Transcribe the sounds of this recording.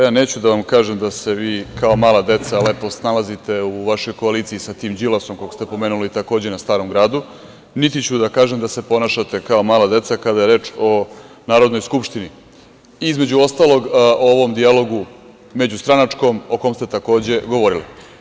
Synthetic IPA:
jaːne̞ːt͡ɕud̪aʋamkaːʒemd̪ase̞ʋiːkao̞maːlˠad̪e̞t̪salepo̞snalˠazit̪e̞uʋaʃo̞jko̞aliːt̪siisat̪iːmd͡ʑilˠaso̞mkokost̪epo̞meːnulit̪ako̞ːd͡ʑenast̪aːɾo̞mɡɾaːd̪u | nit̪it͡ɕud̪akaːʒemd̪ase̞po̞naːʃat̪e̞kaomaːlˠad̪e̞t̪sakad̪aje̞ɾe̞ːt͡ʃo̞ | naːɾod̪nojskupʃt̪ini | izme̞d͡ʑuo̞st̪aːlˠo̞ɡooʋo̞md̪ialo̞ɡu | me̞d͡ʑust̪ɾanat͡ʂko̞mo̞ko̞mst̪et̪ako̞ːd͡ʑe̞ɡo̞ʋo̞ɾilḭ

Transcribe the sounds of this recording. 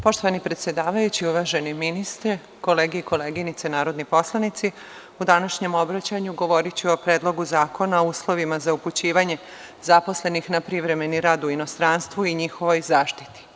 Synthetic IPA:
po̞ʃt̪oʋanipɾe̞t̪sje̞d̪aːʋajut͡ɕiuʋaʒe̞niminist̪ɾe | ko̞leːɡeiko̞leːɡinit̪senaːɾo̞d̪nipo̞slˠanit̪si | ud̪anaʃɲe̞mo̞bɾat͡ɕaɲuɡo̞ʋo̞ɾit͡ɕio̞pɾeːd̪lˠo̞ɡuzaːko̞naouːslˠo̞ʋimazauput͡ɕiːʋaɲe̞ | zapo̞sle̞nixnapɾiʋɾe̞me̞niɾaːd̪uino̞st̪ɾanst̪ʋuiɲixo̞ʋo̞jzaːʃt̪i̥t̪i̥

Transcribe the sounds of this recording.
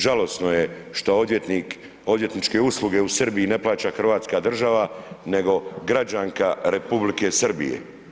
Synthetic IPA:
ʒalo̞snoje̞ | ʃt̪ot̪nik | o̞d̪je̞t̪nit͡ʃke̞uslˠuɡe̞usr̩biine̞plˠaːt͡ɕaxr̩ʋaːt̪skaːd̪r̩ʒaʋane̞ɡo̞ɡɾad͡ʑaŋkaɾe̞publike̞srbḭjḛ

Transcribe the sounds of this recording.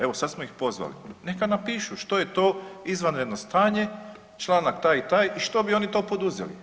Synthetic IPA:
e̞ʋo̞sad̪smoixpo̞zʋa̰lḭne̞kanapiːʃuʃt̪o̞jet̪o̞ːizʋanɾe̞d̪no̞st̪aːɲe̞ | t͡ʃlˠaːnakt̪ajit̪aːjiʃt̪o̞bio̞ːnit̪o̞ːpo̞d̪uzḛlḭ

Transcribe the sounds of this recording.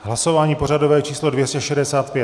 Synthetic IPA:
ɦlasovaːɲiːpo̞radovɛːt͡ʃiːslodvjɛscɛʃɛdɛsaːt̪̚pjɛt̪

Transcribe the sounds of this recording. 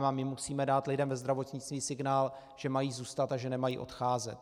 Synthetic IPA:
mamɪmusiːmɛdaːt̪lɪdɛmvɛzd̪ɾavo̞t̪ɲɪt͡st̪viːsɪɡnaːl | ʒ̥ɛmajiːzuːst̪at̪aʒɛnɛmajiːʔo̞̰t̪xaːzɛt̪

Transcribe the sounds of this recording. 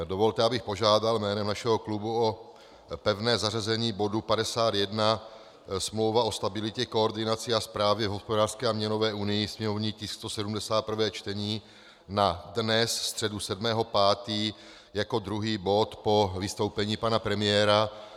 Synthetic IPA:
dovo̞lt̪ɛabɪxpo̞ʒaːdalmɛːnɛmnaʃɛɦo̞klubuo̞ | pɛvnɛːzarazɛɲiːbo̞dupadɛsaːt̪jɛdna | smlowvao̞st̪abɪlɪcɛkooɾdɪnat͡sɪaspɾaːvjɛvɦo̞spodaːr̥skɛːamɲɛno̞vɛːʔunɪjɪsmɛmovɲiːcɪst̪osɛdumdɛsaːt̪̚pr̩vɛːt͡ʃt̪ɛɲiː | nadnɛsst̪r̥ɛdusɛdmɛːɦo̞paːt̪iː | jako̞d̪ɾuɦiːbo̞t̪po̞vɪst̪o̞wpɛɲiːpanapɾɛmɪjɛːɾa

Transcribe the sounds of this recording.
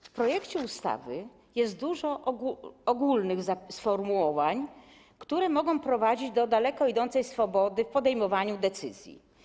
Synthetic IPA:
fpɾɔjɛkt͡ɕɛust̪a̰vɘ | jɛst̪̚d̪uʐɔ | ɔɡulnɘɣzasfɔɾmuwɔvaɲ | kt̪uɾɛmɔɡɔ̃w̃pɾɔvad͡ʑid͡ʑd̪ɔd̪alɛkɔid̪ɔnt̪sɛjsfɔbɔd̪ɘfpɔd̪ɛjmɔvaɲud̪ɛt̪sɘzʲjḭ

